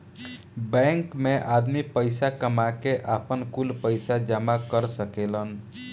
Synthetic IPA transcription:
bɛ̃ŋkmeʔad̪mipəjsakəmakeʔapənkulpəjsad͡ʒəmakəɾsəkelən

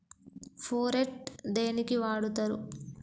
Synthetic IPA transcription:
pʰoːɾeʈd̪e̞ːnikiʋaːɽut̪ɐɾu

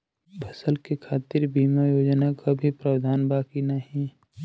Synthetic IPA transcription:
bʰʱəsəlkekʰaːt̪ɪɾbiːmajoːd͡ʒnakabʱipɾəwd̪ʱaːnbaːkinaɦĩ

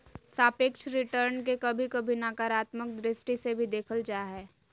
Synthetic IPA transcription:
saːpekʃɾɪʈəɾnkekɐbʱikɐbʱinakaɾaːt̪mək̚d̪ɾɪsʈisebʱid̪eːkʰəld͡ʒaːɦɛː

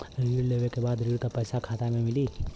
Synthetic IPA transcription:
ɾiːɽleːʋekebaːd̪ɾiːɽk̪apɛjsakʰaːt̪amẽmɪliː

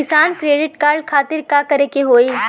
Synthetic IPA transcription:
ɪsaːnkɾeːɖɪʈkaːɾɖkʰaːt̪ɪɾkakɐɾekeɦoːi

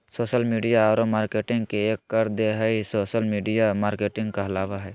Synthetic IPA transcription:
soːʃəlmiːɖijaɔːɾomaːɾkeːʈɪ̃ŋɡkeeːkːəɾd̪eɦəisoːʃəlmiːɖijamaːɾkeːʈɪ̃ŋɡkaɦəlaːʋaɦɛː

